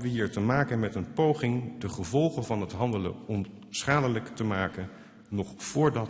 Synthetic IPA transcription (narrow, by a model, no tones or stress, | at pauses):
ʋəɦiːɹtəmaːkənmɛtənpowχɪŋdəχəvɔlˠχənvɑnɦətɦɑndələ̰ɔm | sχaːdələktəmaːkən | nɔχfʊːɹdɑ